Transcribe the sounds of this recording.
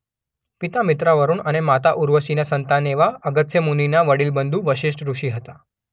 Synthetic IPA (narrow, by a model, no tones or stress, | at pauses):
pit̪amit̪ɾaʋəɾuːɳaɽ̃emat̪aʔuɾʋəsinasənt̪aneʋaəɡət̪semuninaʋəɽiːlbənd̪ʱuːʋəɕiʂʈɾuʂiːɦət̪a